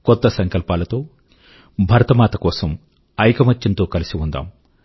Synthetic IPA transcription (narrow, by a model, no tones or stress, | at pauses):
kɔt̪ːɐsɐŋkɐlpaːlɐt̪o̞ː | bʱɐɾɐt̪ɐmaːt̪ɐkɔːsɐm | ɐjkɐmɐt͡ʃːint̪oːkɐlisiund̪a̰ːm